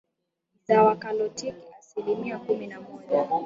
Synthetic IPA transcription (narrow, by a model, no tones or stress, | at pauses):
zawakalɔtikiasilimiakuminamɔʄa